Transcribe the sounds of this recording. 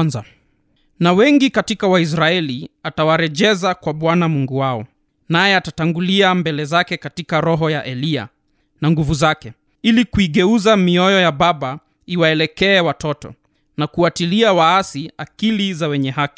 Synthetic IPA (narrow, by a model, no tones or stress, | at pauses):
nza | nawɛŋɡikatikawais̬ɾaɛliatawaɾɛʄɛzakwaɓwanamuŋɡuwaɔ | najɛatataŋɡuliambɛlɛzakɛkatikaɾɔɦɔjaʔɛlia̰ | naŋɡuvuzakɛ | ilikuiɠɛuzamiɔjɔjaɓaɓa | iwaɛlɛkɛːwatɔtɔ̰ | nakuatiliawaasiakilizawɛɲɛhaki̥